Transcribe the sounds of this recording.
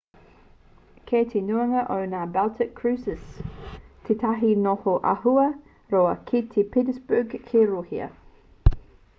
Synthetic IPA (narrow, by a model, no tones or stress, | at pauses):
kʰetʰenuɐŋɐʔownaːbalt̪ʰɪkʰːɹʉːsəs | tʰet̪ʰɐɦinohoʔɐ̰ɦuɐ | ɾoɐkʰit̪ʰipʰitəsbuɡkʰeɾohiɐ̰